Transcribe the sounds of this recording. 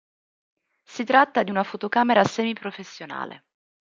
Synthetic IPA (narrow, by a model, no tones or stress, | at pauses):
sit̪ɾat̪ːad̪iunafot̪okaːmeɾasɛːmipɾofesːjona̰ːlḛ